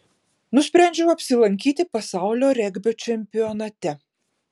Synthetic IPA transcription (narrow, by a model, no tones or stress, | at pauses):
nʊsʲpʲɾʲɛˑnʲd͡ʒʲɛʊɐpʲsʲɪlˠɐŋʲkʲiːt̪ʲɪpɐsɑˑʊlʲoːɾʲɛɡʲbʲot͡ʃʲɛmʲpʲɪjɔnɐt̪ʲɛ